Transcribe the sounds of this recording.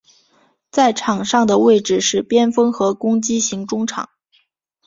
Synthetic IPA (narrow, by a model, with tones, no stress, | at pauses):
t͡sa˥˩ɪʈ͡ʂʰɑ˨˩ŋʂɑ˥˩ŋd̪ə˩we˥˩ɪʈ͡ʂɻ̩˥˩ʂɻ̩˥˩pjɛ˥nfɤ˥ŋxɤ˧˥kʊ˥ŋt͡ɕi˥ɕi˧˥ŋʈ͡ʂʊ˥ŋʈ͡ʂʰɑ̰˨˩˦ŋ